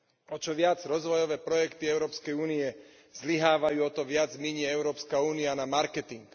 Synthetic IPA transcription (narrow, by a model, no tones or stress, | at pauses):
ɔt͡ʃɔʋɪad͡zɾɔzʋɔjɔʋɛːpɾɔjɛkt̪iɛʊɾɔːpskɛjuːniɛ | zliɦaːʋajuːɔt̪ɔʋɪad͡zmiɲɪɛɛʊɾɔːpskauːnianamaɾkɛt̪iŋk